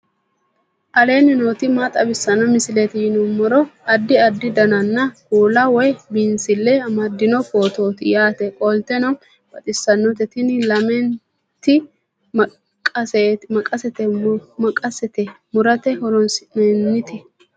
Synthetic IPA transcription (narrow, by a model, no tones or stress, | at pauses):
ʔɐle̞ːnɪnoːt̪ɪmat̪ʼɐbɪsːɐnɔmɪsɪlet̪ɪjɪnɔmɔɾɔɐd̪ːɪɐd̪ːɪd̪ɐnɐnːɐkuːlɐwɔjbɪnsɪlːɛɐmɐd̪ːɪnɔkoːt̪o̞ːt̪ɪjaːt̪ɛkʼɔlt̪ɛnɔ | b̥ɐt̪ʼɪsːɐnːɔt̪ɛt̪ɪnɪlɐmɛn | t̪ɪ | kʼɐsɛmɐkʼɐsɛt̪ɛmɐkʼɐsɛt̪ɛmʊɾɐt̪ɛhɔɾɔnsnɛnːɪt̪ɛ